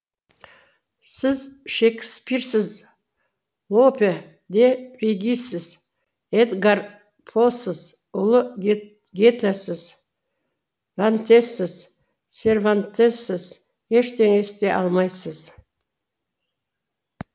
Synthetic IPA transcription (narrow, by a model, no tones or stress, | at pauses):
sɪzʃekʲspiɾsɪz | lˠopʲe | d̪efʲeɡʲisɪz | ed̪ɡar | pʰosəz | ʊlˠə | ɡʲet̪ʰasɪz | d̪ant̪e̞sːɪz | sʲe̞rvant̪e̞sɪz | je̞ʃt̪ʰe̞ŋest̪e̞ʔɑ̰lˠmɑjsəz̥